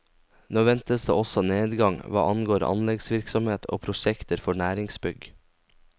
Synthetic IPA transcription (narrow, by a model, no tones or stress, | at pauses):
noːʋɛnt̪əsd̪ḛːɔsɔneːd̪ɡɑŋʋɑ̰ːʔɑnɡoːɾʔɑ̰nlɛɡsʋɪɾksɔmeːt̪ʰo̰ːpʰɾʊʃɛkt̪əɾfɔɳæːɾɪŋsbʏɡ